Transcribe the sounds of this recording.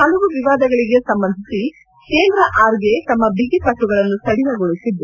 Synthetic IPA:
hɐluʋuʋiʋaːd̪ɐɡɐɭiɡe̞sɐmbɐnd̪ʱisi | keːnd̪ɾɐʔaːɾɡet̪ɐmːɐbiɡipɐʈːuɡɐɭɐnːusɐɽinɐɡoɭusid̪ɾu

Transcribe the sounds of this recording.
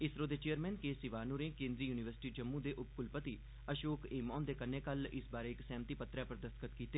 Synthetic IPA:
ɪsɾoːd̪eːt͡ʃejəɾmɛ̃ːnkeːsɪʋaːnuɾẽːkẽːnziːjuːnɪʋəɾsɪʈiːd͡ʒəmːũːd̪eːʔʊp̚kʊlpət̪iː | əʃoːkeːmɔ̃ːnd̪eːkənːeːkəlɪsbaːɾeɪksɛ̃ːmt̪iːpət̪ɾɛːpəɾd̪əskət̪kiːt̪eː

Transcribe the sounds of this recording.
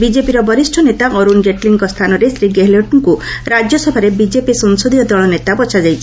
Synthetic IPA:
bid͡ʒepiɾɔbɔɾisʈʰɔnet̪aʔɔɾund͡ʒeʈliŋkɔst̪ʰanɔɾesɾiɡeɦlɔʈŋkuɾad͡ʒjɔsɔbʱaɾebid͡ʒepisɔŋsod̪iɔd̪ɔɭɔnet̪abɔt͡ʃʰad͡ʒajt͡ʃʰi

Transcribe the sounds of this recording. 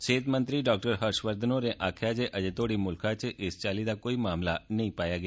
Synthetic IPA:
ʃet̪mənt̪ɾiɖɔk̚ʈəɾɦəɾʃʋəɾd̪ʱnoɾeʔakʰjad͡ʒʰeʔəd͡ʒet̪oɽimʊlkʰat͡ʃʰeʔest͡ʃalid̪akoimamlanəɦĩpajaɡəja

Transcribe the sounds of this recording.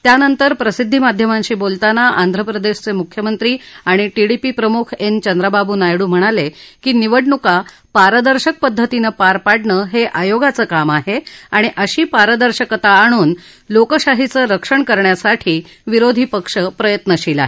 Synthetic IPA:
t̪janənt̪əɾpɾəsid̪ʱːimad̪ʱjəmãɲɕiːbolt̪anaʔand̪ʱɾəpɾəd̪eɕt͡semukʰjəmənt̪ɾiːaɽ̃iʈiɽipipɾəmukʰent͡ɕənd̪ɾababuːnajɽuːm̤əɽ̃alekiːniʋəɽɳuka | paɾəd̪əɾɕək̚pəd̪ʱːət̪inəpaɾpaɽɳəːɦeʔajoɡat͡səːkamaɦeaɽ̃iʔəɕiːpaɾəd̪əɾɕəkət̪aːɽ̃uːn | lokəɕaɦit͡səɾəkʂəɳkəɾɳjasaʈʰiː | ʋiɾod̪ʱipəkʂəpɾəjət̪nəɕila̰ɦe

